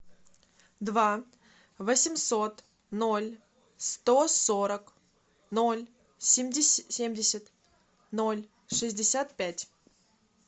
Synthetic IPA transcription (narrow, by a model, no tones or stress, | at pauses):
d̪va | vəsʲɪmso̞t̪ | nolʲ | st̪osoɾək | no̞lʲ | sʲɪmʲdʲɪsʲemʲdʲɪsʲɪt̪ | nolʲ | ʂɨzʲdʲɪsʲat̪̚pʲætʲ